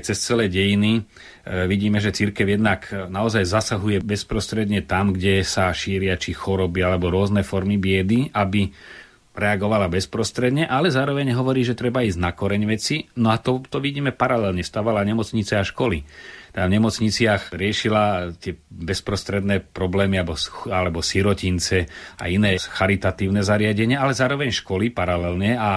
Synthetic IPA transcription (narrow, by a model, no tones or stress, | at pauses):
t͡sɛst͡sɛlɛːɟɛjini | ʋiɟiːmɛʒɛt͡siɾkɛʊjɛd̪naknaɔzajzasaɦujɛbɛspɾɔst̪ɾɛd̪ɲɛt̪amɡɟɛsaʃiːɾɪat͡ʃixɔɾɔbialɛbɔɾʊɔznɛfɔɾmibɪɛd̪iʔabi | ɾɛaɡɔʋalabɛspɾɔst̪ɾɛd̪ɲɛʔalɛzaːɾɔʋɛɲɦɔʋɔɾiːʒɛt̪ɾɛbaiːznakɔɾɛɲʋɛt͡sinɔat̪ɔt̪ɔʋiɟiːmɛpaɾalɛlɲɛst̪aːʋalaɲɛmɔt͡sɲit͡sɛaʃkɔlit̪avɲɛmɔt͡sɲit͡sɪaxɾɪɛʃilat̪ɪɛbɛspɾɔst̪ɾɛd̪nɛːpɾɔblɛːmiabɔalɛbɔsiɾɔcint͡sɛa̰inɛːxaɾit̪at̪iːʊnɛzaɾɪaɟɛɲɪaalɛzaːɾɔʋɛɲʃkɔlipaɾalɛlɲɛa